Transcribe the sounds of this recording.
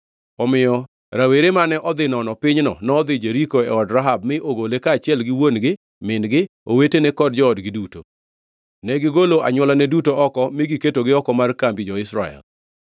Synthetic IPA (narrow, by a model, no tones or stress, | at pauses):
ɔmɪjɔ | ɾaweɾemanɛʔɔd̪ɪnɔnɔpɪɲnɔnɔːd̪ɪd͡ʒeɾikoɛɔdɾaɦab̚mɪʔoɡolekaːt͡ʃɪɛlɡɪwonɡɪ | mɪnɡɪ | owetenɛkɔd̚d͡ʒɔːdɡɪduto | nɛɡɪɡoloaɲwɔlanɛdutoʔɔkɔmɪɡiketoɡɪɔkɔmarkambid͡ʒɔɪsɾa̰ɛ̰l